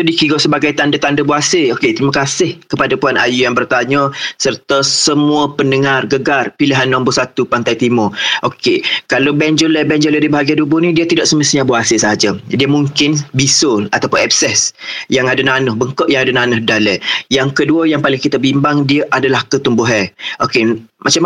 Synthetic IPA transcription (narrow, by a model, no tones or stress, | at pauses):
sodikiɡosəbaɡajt̪andat̪andəbuasəoket̪ɾiməkasɪhkəpadapuanʔa̰jujaŋbərt̪aɲəsərt̪əsəmuəpəndəŋarɡəɡarpilɪɦanːambʊsat̪upant̪ajt̪imʊʔokekalowbɛɲd͡ʒolɛbɛɲd͡ʒolədibəɦaɡiandubʊnidiət̪idɔʔsəməsiɲaboasəsəɦad͡ʒədiəmuŋkɪnbisʊlat̪apʊnɛp̚sɛsjaŋadananʊhbəŋkɔʔjaŋadananʊhdalɛjaŋkəduəjaŋpalɪŋkit̪abimbaŋdiəʔadalahkət̪umbuɦɛʔokemʔat͡ʃam